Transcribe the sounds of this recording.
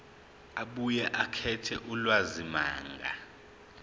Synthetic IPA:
aɓujɛʔakʰɛtʰɛʔulwazima̰ːŋɡʱa̰

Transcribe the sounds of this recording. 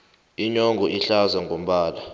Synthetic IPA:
iɲɔŋɡɔʔiɬazaŋɡʱom̩ɓaːla

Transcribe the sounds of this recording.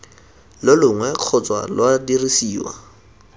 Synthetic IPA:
lɪlʊŋwɛq͡χʰʊt͡swa̰lwadirisiːwa̰

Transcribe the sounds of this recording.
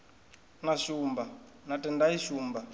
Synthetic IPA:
naʃumba | natɛndaiʃuːmba

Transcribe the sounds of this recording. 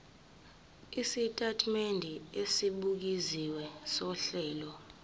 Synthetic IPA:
isitʼatʰʼmendʱiesiɓuk̬iziwɛsɔɬɛːlɔ

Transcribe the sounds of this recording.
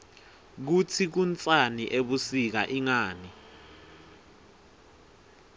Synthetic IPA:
k̬ut͡sʰik̬unt͡sʼaniʔeɓusik̬aʔiŋaːni

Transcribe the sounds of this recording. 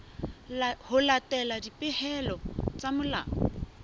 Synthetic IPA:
hʊlatʼɛladipɪhɛlɔt͡sʼamʊla̰ːɔ

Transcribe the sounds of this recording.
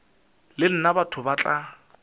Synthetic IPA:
lɪl̩nabatʰʊbat͡ɬʼa

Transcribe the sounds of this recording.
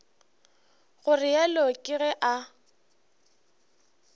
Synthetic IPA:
ɣʊrɪjalokʼɪɣɛʔa

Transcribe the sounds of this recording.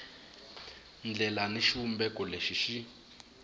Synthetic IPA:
nd͡ɮɛlaniʃiumbɛkʼɔleʃiʃi

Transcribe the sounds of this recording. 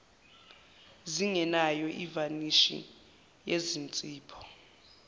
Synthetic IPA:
ziŋɛnajɔʔivaniʃḭ | jezint͡sʼiːpʰɔ̥

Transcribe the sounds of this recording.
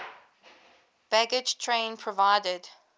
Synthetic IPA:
b̥æɡɪ̥d͡ʒtʰɹẽɪ̃npʰɹəvaɪdəd̥

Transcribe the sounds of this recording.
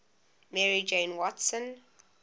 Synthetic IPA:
mɛɹid͡ʒẽɪ̃nwɔtsə̃n

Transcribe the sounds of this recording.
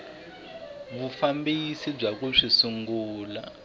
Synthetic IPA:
βufambisib͡ʐak̬uʂisuŋɡuːla̰

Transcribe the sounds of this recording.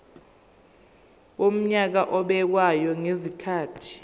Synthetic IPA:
ɓom̩ɲak̬aʔɔɓɛk̬wajɔŋezikʰaːtʰi̥

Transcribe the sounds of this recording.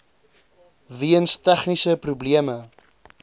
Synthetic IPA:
viənstæχnisəpɾubliəmə

